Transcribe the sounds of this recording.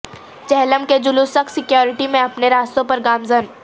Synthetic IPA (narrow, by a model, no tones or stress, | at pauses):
t͡ʃɛɦləmked͡ʒʊlusɐksɪkjoːɾɪʈimẽɐpneɾaːst̪õpɐɾɡaːmzən